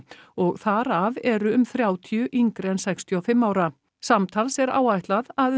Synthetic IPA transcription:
ɔɣθaɾavɛɾʏʏmθɾjaːwt̪ʰjʏʔiŋkɾɛnsɛkst̪ʰjɔwfɪmːaːwɾa | samt̪ʰalsɛɾa̰ːwajht̪laðað

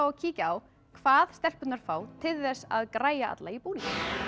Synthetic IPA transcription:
ɔɣcʰiːcaw | kʰvaːðst̪ɛl̥pʏt̪naɾ̥faːwt̪ʰɪlðɛsːa̰ðkɾaːjaa̰t̪laipuːnĩŋcɪn

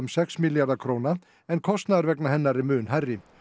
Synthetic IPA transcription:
ʏmsɛksmiljaɾðakʰɾoːwna | ɛnkʰɔst̪naðaɾvɛknaɦɛnːaɾɪmʏːnɦarːɪ

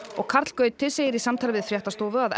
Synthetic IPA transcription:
ɔɣkʰaɾ̥t̪l̥kœːɥt̪t̪ʰːɪlseːjɪɾisamt̪ʰalvɪðfɾjɛht̪ast̪oːwvʏað

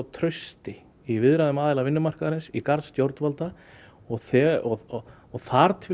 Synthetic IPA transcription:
t̪ʰɾœɥst̪ɪ | ivɪðɾaðʏmaːðɪlavɪnːʏmar̥kaðɾɪnsikaɾt̪st̪jowɾt̪valt̪a | ɔɣθɛɔɔ | ɔɣθaɾt̪ʰv

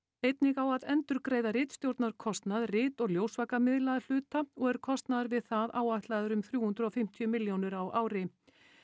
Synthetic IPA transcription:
ejt̪nɪɣawaðɛnt̪ʏɾkɾeːjðarɪːt̪st̪jowɾt̪naɾ̥kʰɔst̪naðrɪːt̪ɔɣljoːwsvakamɪðlaðal̥ʏːt̪aɔɣɛɾ̥kʰɔst̪naðaɾvɪðθaðaːwaht̪laðʏɾʏmθɾjuːhʏnd̪ɾɔfɪm̥t̪ʰjʏmɪljownʏɾawʔaːwɾɪ

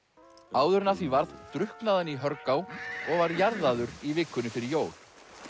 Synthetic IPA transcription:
aːwðʏɾnaθvivaɾtðt̪ɾʏhknaðanːiɦœɾkawɔɣvaɾjaɾðaðʏɾivɪkːʏnʏfɪɾɪɾjoːwl̥

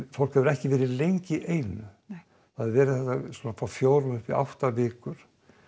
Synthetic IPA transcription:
fowl̥khɛvʏɾɛhcɪvɛːɾɪlejɲcɪʔeːjnʏ | θaðɪɾvɛːɾɪθɛht̪askɔːnafawfjoːwɾʏmʏhpɪa̰wht̪avɪːkʏɾ̥

